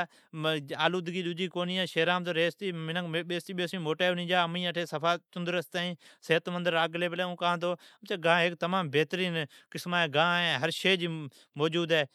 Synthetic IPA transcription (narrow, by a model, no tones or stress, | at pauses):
aːluːd̪ɡiːɗʊd͡ʒiːkoːniːeːʃeːɾaːmt̪oːɾeːst̪iːmɪnəkːɓeːst̪iːɓeːsĩːmoːʈaːnĩːd͡ʒaːəmĩːəʈʰeːsəpʰaːt͡ʃʊnd̪əɾəst̪aːĩːseːt̪mənd̪əɾaːɡleːpleːũːkãːt̪oːmt͡ʃaːɡãːɦɪk̚t̪əmaːmbeːt̪əɾiːnkɪsmaːẽːɡãːẽɦəɾʃeːd͡ʒiː | moːd͡ʒuːd̪eː